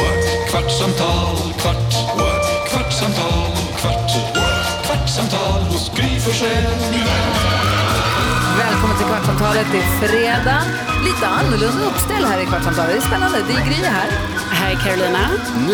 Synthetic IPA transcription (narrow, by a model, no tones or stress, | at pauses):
kʰʋɑʈsɑmt̪ʰɑːl | kʰʋɑʈ | kʰʋaʈːsɑmt̪ʰɑːl | kʰʋɑʈ | kʰʋɑʈːsɑmt̪ʰɑːləʊsɡɾiːfɔʂeənɪjɛn | ʋɛlkʰɔmːənt̪ɪkʰʋɑʈːsɑmt̪ʰɑːlət̪ʰɪlfɾeːd̪ɑː | liːt̪əɑnːəɭʉnd̪əɔpst̪ɛlːhæːɾɪkʰʋɑʈsɑmt̪ʰɑːləɪspɛnːənd̪əd̪ɪɡɾyːəɦæːɾ | hæɪkʰæɾʊlɪnɑ